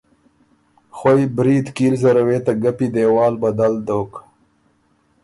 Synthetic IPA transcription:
xwojbɾiːd̪kiːlzaɾaweːt̪aɡapid̪eːwɑːlbad̪ald̪oːk

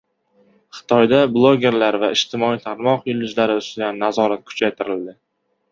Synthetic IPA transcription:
χɨ̥t̪ʰɒjd̪ablˠoɡʲe̞ɾlaɾvaɪʃt̪ʰɪmɒit̪ʰaɾmɒqjʊlɪd͡ʒlaɾɪʊst̪ʊd̪anːazɒɾat̪̚kʰʊ̥t͡ʃʰajt̪ʰɪɾɪld̪ɪ

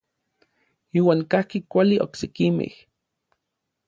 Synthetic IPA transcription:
iːwaːŋkahkikʷaliʔoksekimḛh

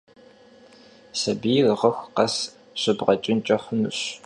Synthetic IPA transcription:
sɐbirʁɐxʷqɐs | ɕɨbʁɐt͡ʃʼɪnt͡ʃʼɐχʷʊnɨɕ

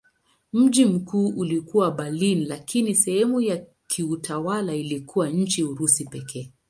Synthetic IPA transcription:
m̩ʄim̩kuːʔulikuwaɓalinlakinisɛhɛmuja | kʰiutawalailikuwaɲ̩t͡ʃiuɾusipɛkʰɛː

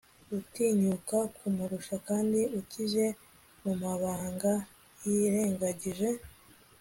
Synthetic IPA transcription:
utiːɲukakʰumuɾuʃakaːndiuciʒe̞ | mumaβaːŋɡa | jiɾe̞ːŋɡaɟiʒe̞

